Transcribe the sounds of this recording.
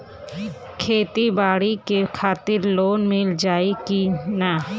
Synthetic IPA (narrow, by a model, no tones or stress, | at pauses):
kʰeːt̪ibaːɽikekʰaːt̪iɾloːnmɪld͡ʒaːekina